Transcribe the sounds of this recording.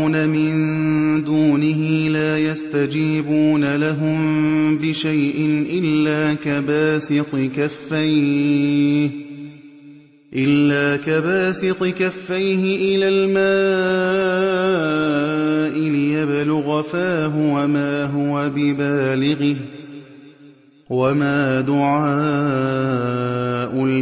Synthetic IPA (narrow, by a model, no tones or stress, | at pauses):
namɪnd̪uːnɪɦɪlaːjast̪ad͡ʒiːbuːnalaɦʊmbɪʃajʔɪnʔɪlːaːkabaːsɪqɪkafːaj | ʔɪlːaːkabaːsɪqɨkafːajhɪʔɪlaːlmaː | ʔɪlɪjabɪlʊɣafaːɦʊwamaːɦʊwabɪbaːlɪɣɪh | wamaːd̪ʊʕaː | ʔʊ